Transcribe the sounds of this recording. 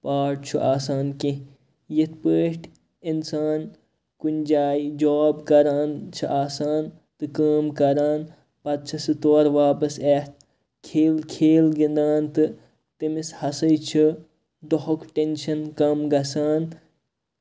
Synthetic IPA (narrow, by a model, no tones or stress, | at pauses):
paːʈ̚t͡ʃʰuʔaːsaːnki | jit̪̚ʰpəːʈʰ | insaːn | kunʲd͡ʒaːid͡ʒoːbkɐɾaːnt͡ʃʰɨʔaːsaːn | t̪ɨkəːmkɐɾaːn | pɐt̪̚t͡ʃʰɐsɨt̪oːɾʋaːpɐseːt̪̚ | kʰeːlkʰeːlɡind̪aːnt̪ɨ | t̪imishɐsɐjt͡ʃʰɨ | d̪oɦokʰʈenʃɐnkɐmɡɐsaːn